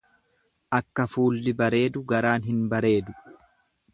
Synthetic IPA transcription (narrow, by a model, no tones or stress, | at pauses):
ʔɐkːɐfuːlːɪbɐɾe̞ːd̪ʊɡɐɾaːnɦɪnbɐɾe̞ːd̪ʊ̥